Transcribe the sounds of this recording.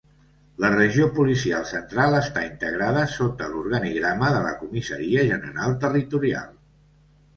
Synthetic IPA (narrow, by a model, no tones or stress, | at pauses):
lərəʒiopulisialˠsənt̪ɾalˠəst̪aint̪əɣ̞ɾaðəsot̪əluɾɣəniɣɾaməðələ̰kumisə̰ɾiəʒənə̰ɾalˠt̪ərit̪uɾia̰lˠ